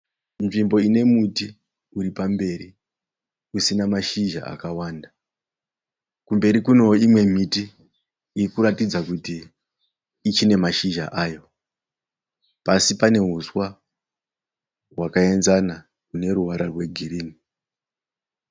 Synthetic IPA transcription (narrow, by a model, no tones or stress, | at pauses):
nʐimbo̞ine̞muti | uɾipambe̞ɾi | usinamaʃiʒa̰a̰kawaːnda | kumbe̞ɾikuno̞imwe̞miti | iikuɾatid͡zakutiː | t͡ʃine̞maʃiʒa̰ʔaːjo̞ | pasipane̞ɦuswa | ɦwakae̞nzana | une̞ɾuʋaɾarwe̞ɡʱiriːni